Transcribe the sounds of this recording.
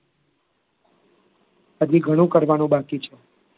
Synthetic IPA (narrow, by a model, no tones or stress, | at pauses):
əd͡ʒiɡʱəɽ̃ũkəɾʋanũbakit͡ʃʰe